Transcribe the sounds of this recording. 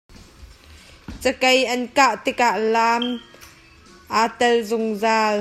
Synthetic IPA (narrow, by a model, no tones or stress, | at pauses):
t͡səkɐjʔɐnkaʔt̪ɪk̚aʔlaːm | ʔaːt̪ɛlzʊŋzaːl